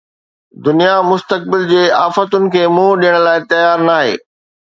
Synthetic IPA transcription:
d̪ʊnijamʊst̪ək̚bɪld͡ʑeːaːfət̪ʊnɪ̆kʰeːmũːɗijəɽ̃laːɪt̪ɐjaːɾnaːɦḛː

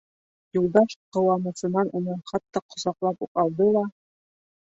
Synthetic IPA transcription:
julˠd̪ɑʃqɤ̆wɑmɤ̆sɤ̆nɑnʔunɤχɑt̪ːɑqŏsɑqlˠɑpuqɑlˠd̪ɤlˠɑ

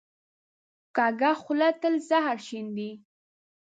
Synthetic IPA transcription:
kɑɡaxʊlat̪əlzaɦaɾʃind̪i

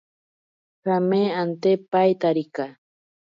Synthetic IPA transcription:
xameant̪epajt̪aɾika

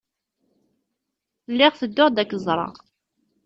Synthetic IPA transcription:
lːɪʁθəd̪ːʊʁd̪ækːəzˤɾˤɑ̰ʁ

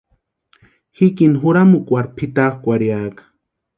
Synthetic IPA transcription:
hikinɦuɾamukʷaɾpʰit̪axkʷaɾjaːkḁ

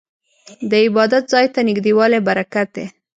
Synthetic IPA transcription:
d̪əɪbɑd̪at̪zɑjt̪anɪɡd̪ewɑlebaɾakat̪̚d̪e

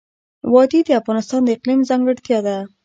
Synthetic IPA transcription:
wɑd̪id̪əafɣɑnɪst̪ɑnd̪əɪqlimzɑŋɡəɽt̪jɑd̪a

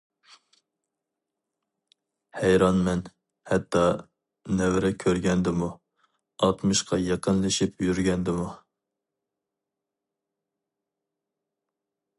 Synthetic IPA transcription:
hæjɾɑnmɛn | hɛt̪ʰːɑ | nɛwɾɛkʲʰøɾɡʲɛnd̪ɪmu | ɑlˠt̪mɨʃqʰɑjɑqənlˠɨʃipjyɾɡʲɛnd̪ɪmu

